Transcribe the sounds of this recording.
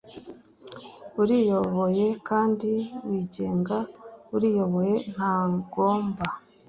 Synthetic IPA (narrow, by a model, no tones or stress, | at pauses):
uɾijo̞βo̞je̞kaːndiwiɟe̞ːŋɡaβuɾijo̞βo̞je̞n̥aːɡoːmba